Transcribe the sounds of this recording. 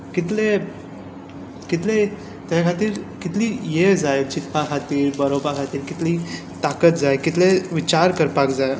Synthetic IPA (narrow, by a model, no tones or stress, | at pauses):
kit̪le | kit̪le | t̪aakʰat̪iːɾkit̪liːjed͡zajt͡ɕit̪pakʰat̪iːɾbəɾobakʰat̪iːɾkit̪liː | t̪akət̪̚d͡zajkit̪leʋit͡ɕaɾkəɾpakd͡zaj